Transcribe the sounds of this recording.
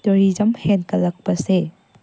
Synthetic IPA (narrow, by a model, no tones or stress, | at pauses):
toɾizɐmhenkɐlɐk̚pɐse